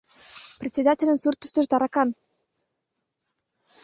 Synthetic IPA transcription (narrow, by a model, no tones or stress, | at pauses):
prʲet̪ʲsʲed̪atʲelʲə̆nsurt̪ə̆ʃt̪ə̆ʃd̪ɑɾɑkɑn